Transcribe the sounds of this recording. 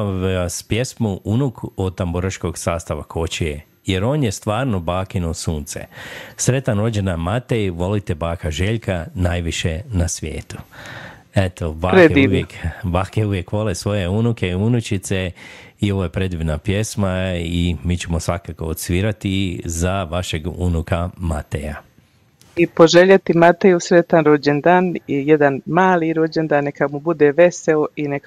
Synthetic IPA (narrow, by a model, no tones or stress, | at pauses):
spjesmuʔunukot̪amboɾaʃko̞ɡsaːst̪aʋakʰo̞t͡ʃie | je̞ɾo̞ːnjest̪ʋaːɾno̞baːkinosuːnt̪sḛsɾe̞t̪anɾo̞d͡ʒenamat̪eiʋo̞lit̪ɛbaːkaʒeʎkanaːjʋiʃenasʋjḛːt̪u̥ | et̪obaːeiʋjekbaːkeuʋje̞kʋo̞lesʋo̞jeunukeiunut͡ʃit̪seio̞ʋoːje̞pɾe̞d̪ʋinapje̞smaimiːt͡ɕemosʋakako̞ot̪sʋiɾat̪izaʋaʃeɡṵnukama̰t̪ḛja̰ | ipo̞ʒeʎat̪imat̪ejusɾe̞t̪anɾod͡ʑend̪aːnijed̪anmaːliɾod͡ʑend̪anːekamubud̪eːʋe̞seoinek